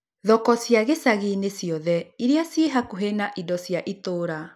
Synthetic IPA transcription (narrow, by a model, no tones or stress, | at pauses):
ðɔkɔsjaɣesaɣinesjɔðɛiɾeasiɦakoɦenaʔidɔsjaʔitoːɾa